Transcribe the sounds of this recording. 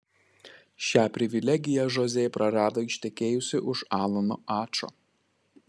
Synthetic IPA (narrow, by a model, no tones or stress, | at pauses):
ʃʲæːpʲɾʲɪʋʲɪlʲɛɡʲɪjɛʒɔzʲeːjpɾɐɾɑːd̪oːɪʃʲt̪ʲɛkʲeːjʊsʲɪʔʊʃɑːlˠɐnɔɑːt͡ʃo̰ː